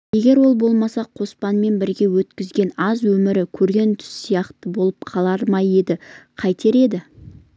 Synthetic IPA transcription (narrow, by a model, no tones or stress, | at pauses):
je̞ɡʲe̞ɾwo̞lˠbo̞lˠmɑsɑqʰo̞spɑnme̞nbɪɾɡʲe̞wɵt̪kʲɪzɡʲe̞nɑzwɵmɪɾɪkʲʰɵɾɡʲe̞nt̪ʰʏ̥sːijɑqt̪əbo̞lˠəp̚qʰɑlˠɑɾmɑje̞d̪ɪqʰɑjt̪ʰe̞ɾe̞d̪ɪ